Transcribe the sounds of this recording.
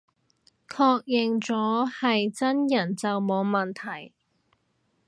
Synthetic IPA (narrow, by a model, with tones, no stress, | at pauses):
kʰɔː˧k̚jɪ˨ŋt͡sɔː˨˥hɐ˨jt͡sɐ˥njɐ˨˩nt͡sɐ˨wmo˨˧wmɐ˨nt̪ʰɐ˨˩j